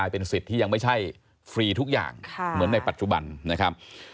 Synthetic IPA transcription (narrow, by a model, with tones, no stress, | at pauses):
aː˧jpe˧nsi˨˩t̪ʰːiː˥˩ja˧ŋma˥˩jt͡ɕʰa˥˩j | fɾiː˧t̪ʰu˦˥k̚ja̰ː˨˩ŋmɯ˩˦ənːa˧jpa˨˩t̪̚t͡ɕu˨˩ba˧nna˦˥kʰa˦˥p̚